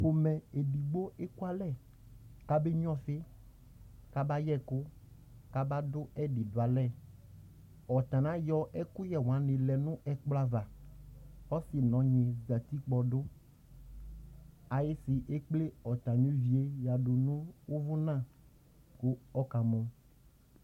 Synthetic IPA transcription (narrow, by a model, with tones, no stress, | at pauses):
ɸo˨mɛ̃˨e˨di˨ɡ͡bo˦ʔe˦ku˦a˦lɛ˦˨ | ka˦be˦ɲ˦ɔ̃˦sɪ˦ | ka˦ba˦jɛ˦˨kʊ˦ | ka˦ba˦dʊ˦ɛ˦ɖi˨dʊ˨a˨lɛ˦˨ | ɔ˨t̪ã˨nã˦jɔ˦ʔɛ˦kʊ˦jɛ˨w̃ã˨˦nɪ̃˨lɛ˨nʊ̃˦ʔɛ˨k͡pla˨va˨ | ɔ˦sɪ˨nɔ̃˨˦ɲɪ̃˨za˨t̪i˦k͡pɔ˨dʊ˦ | a˨jɪ˦sɪ˨ʔe˦k͡ple˦ɔ˨t̪ã˨ɲe˦vi˨e˦ja˨ɖʊ˨nʊ̃˦wʊ˦vʊ˦nã˦˨ | kʊ˦ɔ˦ka˨mɔ̃˦